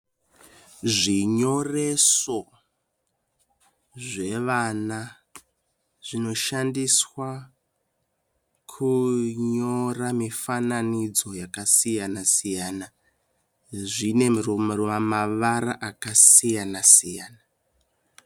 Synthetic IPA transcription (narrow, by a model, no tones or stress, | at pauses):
ʐiɲo̞re̞so̞ | ʐe̞ʋana | ʐ̥ino̞ʃandiswa | kʰuɲo̞ramifananid͡zo̞jakasijanasijaːna | ʐine̞mrumruamaʋaɾaʔakasijanasijaːna